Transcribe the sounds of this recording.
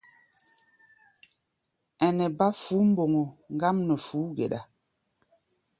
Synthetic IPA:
ɛ˨nɛ˨ba˦fu˨˦m̩˦bo˨ŋo˨ŋ˦ɡa˦mnə˨fuː˨˦ɡḛ˨ɗa˨

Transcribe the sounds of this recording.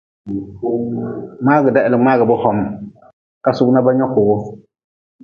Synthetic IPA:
ŋ͡maː˦ɡɨ˨da˦˨ɪ˨lɪ˨ŋ͡maː˦ɡɨ˨bʊ˦hɔ˨m˨ | ka˦sʊ˦kna˦ba˦ɲɔ˦kʊː˨ɣʊ˦

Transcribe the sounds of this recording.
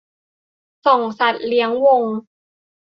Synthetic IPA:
sɔ˨˩ŋsa˨˩t̪̚li˦˥əŋwo˧ŋ

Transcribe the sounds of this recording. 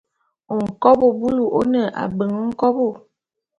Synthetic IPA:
o˨ŋ̩˨kɔ˦bo˨bu˦lu˨ʔo˦nə˨ʔa̰˨bə˨ŋə˦ŋ̩˦kɔ˦bo˦˨

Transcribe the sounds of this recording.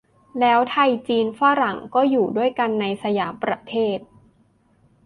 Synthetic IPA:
lɛː˦˥wt̪ʰa˧jt͡ɕiː˧nfa˥˧ɾa˩˦ŋkɔː˥˩juː˨˩du˥˩əjka˧nːa˧jsa˧jaː˩˦mpɾa˧t̪ʰeː˥˩t̪̚

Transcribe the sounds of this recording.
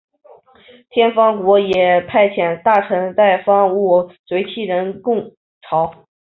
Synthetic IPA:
t̪ʰjɛ˥nfɑ˥ŋkwɔ˧˥jɛ˨˩pʰa˥˩ɪt͡ɕʰjɛ˨˩nt̪a˥˩ʈ͡ʂʰɤ˧˥ŋt̪a˥˩ɪfɑ˥ŋu˥˩t͡swe˧˥ɪt͡ɕʰi˥˩ɻə˧˥nkʊ˥˩ŋ | ʈ͡ʂʰɑ˧˥ʊ

